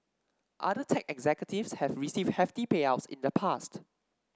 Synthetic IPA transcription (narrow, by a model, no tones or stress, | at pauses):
ʔa̰dətʰɛkɛɡzɛkjətivshɛvɹisivd̚hɛftipeaʊsḭ̃ndəpʰast